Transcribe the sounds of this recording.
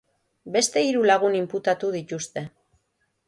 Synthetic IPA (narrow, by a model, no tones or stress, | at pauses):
be̞st̪e̞iɾulaɣ̞unimput̪at̪uð̞it̪ust̪e̞